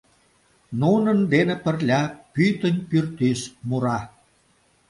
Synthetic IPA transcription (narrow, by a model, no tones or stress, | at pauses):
nunənd̪enĕpə̆rlʲɑpyt̪ənʲpyrt̪ismuɾɑ